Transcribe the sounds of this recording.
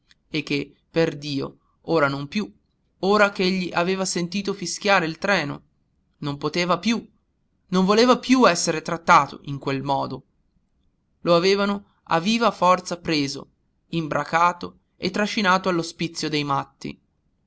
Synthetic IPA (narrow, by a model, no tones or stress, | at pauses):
ek̟ːe | perd̪iːo̰ | oːɾanompju | oːɾakeeʎːiʔaveːvasent̪iːt̪̬ofisk̟jaːɾeilt̪ɾɛːno̰ | nompot̪eːvapju | noɱvoleːvapjuɛsːeɾet̪ɾat̪ːaːt̪o̰ʔiŋkwelmɔːd̪o | loaveːvano | a̰viːvafɔrt̪sapɾeːzo̰ | imbɾakaːt̪o | et̪ːɾaʃinaːt̪oalːospit̪sːjod̪ejmat̪ːḭ